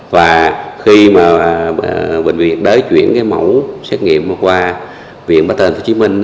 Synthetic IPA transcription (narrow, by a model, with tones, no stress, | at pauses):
vaː˨˩xi˧maː˨˩ɓï˧˨˩ŋ̟vḭ˨˩ət̚ɗəː˨˦jt͡ɕwi˧˩ənkaː˨˦jmə˧˩wsɛ˦˥t̚ŋḭ˧˨əmmaː˨˩kwaː˧ | vḭ˧˨ən̚ɓaː˦˥t̪əː˨˩nt̪ʰu˧˥t͡ɕi˨˦mï˧ŋ̟